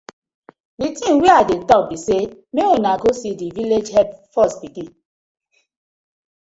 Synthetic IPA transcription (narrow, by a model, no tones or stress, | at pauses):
ditĩwiadetɔk̚bisemeonaɡosidiviled͡ʒhɛbfɔsbikĩ